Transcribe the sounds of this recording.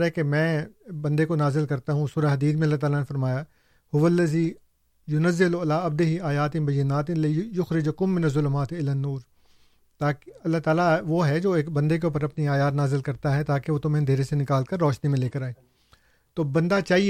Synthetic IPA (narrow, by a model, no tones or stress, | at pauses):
ɾɦɛkemɛ̃ːbɐ̃nd̪ekonaːzɪlkɐɾt̪aɦũsuːɾaɦɐd̪iːd̪mẽɐlːaɦt̪aːlanefɐɾmaːja | hʊʋɐlːɐziː | jʊnɐzːɪlɐlaːɐbd̪eɦiaːjaːt̪ɪmbɐjːɪnːaːt̪ɪnlɪjʊxɾɪd͡ʒkʊmːɪnɐzːʊlʊmaːt̪ɪlanːuːɾ | t̪aːɐlːaːt̪aːlaʋoːɦɛd͡ʒoːeːkbɐ̃nd̪ek̬euːp̬əɾɐpniaːjaːt̪naːzɪlkɐɾt̪aɦɛt̪aːkeʋot̪ʊmẽnd̪ʱeːɾesenɪkaːlkɐɾːɔːʃnimẽleːkəɾaːeː | t̪oːbɐ̃nd̪at͡ʃaːɦi